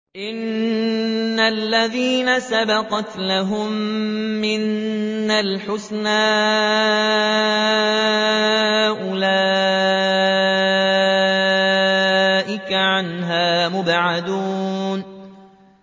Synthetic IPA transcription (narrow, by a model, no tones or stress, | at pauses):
ʔɪnː | alːaðiːnasabɑqɑt̪laɦʊmː | ɪnːalħʊsnaː | ʔʊlaː | ʔɪkaʕanɦaːmʊbʕad̪uːn